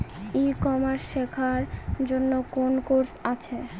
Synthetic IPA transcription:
ikɔmaɾʃekʰaɾd͡ʑonːokonkoɾsat͡ɕʰe

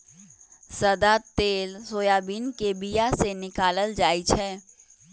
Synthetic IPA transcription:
səd̪at̪eːlsoːjaːbiːnkebijasenɪkaːləld͡ʒaːit͡ʃʰɛː

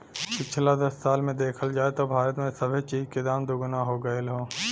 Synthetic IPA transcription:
pɪt͡ʃʰlad̪ɐssaːlmẽd̪eːkʰəld͡ʒaːet̪obʱaːɾət̪mẽsɐbʱet͡ʃiːd͡ʒked̪aːmd̪ʊɡʊnaɦoːɡəelɦoː

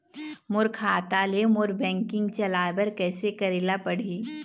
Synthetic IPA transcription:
mʊɾkʰaːt̪alemʊɾbɛ̃ːŋkɪ̃ŋɡt͡ʃɐlaːbəɾkɛːsekɐɾɪlapɐɽ̤iː

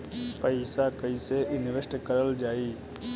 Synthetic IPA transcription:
pəɪsakəiseʔɪnɪʋesʈkəɾəld͡ʒaːiː

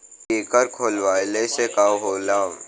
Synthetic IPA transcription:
eːkəɾkʰoːlʋaːlesekaːɦoːlaː

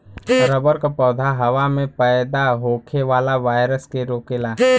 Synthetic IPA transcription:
bəɾoːbəɾkapɔːd̪ʱaɦɐʋamẽpɛjd̪aɦoːkʰeʋaːlaʋaːɪɾəskeɾoːkeːlaː

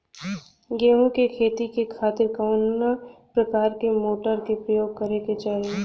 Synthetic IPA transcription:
ɡeːɦũkekʰeːt̪ikekʰaːt̪ɪɾkəːnnapɾɐkaːɾkemoːʈəɾkepɾəjoːɡ̚kɐɾeket͡ʃaːɦie

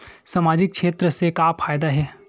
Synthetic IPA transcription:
saːmaːd͡ʒɪk̚kʃeːt̪ɾəsekaːpʰaːjd̪aɦɛː

